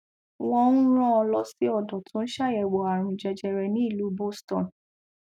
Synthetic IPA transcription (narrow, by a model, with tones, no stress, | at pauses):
w̃ɔ̃˧nũ˦ɾ̃ɔ̃˦ɔ˧lɔ˦si˦ɔ˦˨dɔ˨tʰũ˨˦n̩˦ʃa˦˨jɛ˨wɔ˨a˨ɾ̃ũ˧d͡ʒɛ˧d͡ʒɛ˧ɾɛ˧nĩ˨˦i˦˨lu˨˦bo˦stɔ̃˨n